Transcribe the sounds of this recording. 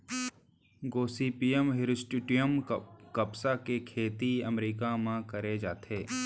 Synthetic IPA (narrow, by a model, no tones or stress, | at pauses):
ɡoːsiːpiːəmɦɪɾɪsʈɪʈijəmkɐpsakekʰeːt̪iɐmɾiːkamãkɐɾed͡ʒaːt̪ʰeː